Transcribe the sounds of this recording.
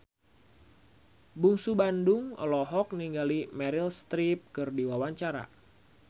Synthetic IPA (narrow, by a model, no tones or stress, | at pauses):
buŋsubandʊŋɔ̰lɔɦɔk̚niŋɡalimɛɾilst̪ɾip̚kɨrdiwawaɲt͡ʃaɾa̰